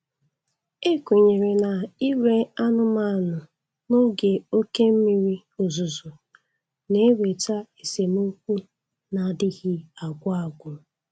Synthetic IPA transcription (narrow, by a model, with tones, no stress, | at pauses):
e˦ku˨ɲe˨ɾe˨na˨i˦we˦a˦nʊ˦ma˦˨nʊ˨ | no˦ɡe˨o˦ke˦m̩˦mi˨ɾi˦ | o˨zu˨zu˨ | ne˦we˨ta˦e˨se˨mo˦kʷu˦ | na˨dɪ˦ɣi˦a˨ɡʷʊ˦a˦˨ɡʷʊ˨